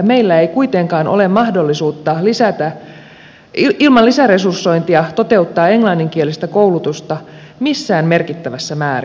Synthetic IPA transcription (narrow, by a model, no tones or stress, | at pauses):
me̞ilːæejkuit̪eŋkɑːnʔo̰lemmɑhdo̞lːisuːt̪ːɑlisæt̪æ | ilmɑlisære̞sursːo̞jnt̪iɑt̪o̞t̪e̞ut̪ːɑːe̞ŋlɑnːiŋk̟ie̞list̪ækowlut̪ust̪ɑ | misːæːmme̞rkit̪ːæʋæsːæmæːr